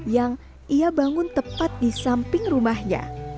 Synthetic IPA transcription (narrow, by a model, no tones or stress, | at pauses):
jaŋ | ʔiabaŋʊnt̪əpat̪̚disampɪŋrumahɲa̰